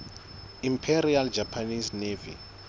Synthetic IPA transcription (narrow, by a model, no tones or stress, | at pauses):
impʰeɾiald͡ʒʱapʰanisnevḭ